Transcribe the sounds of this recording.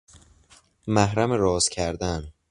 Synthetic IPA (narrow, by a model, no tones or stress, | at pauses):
mæɦɾæmeɾɒːzcʲʰæɾd̪æn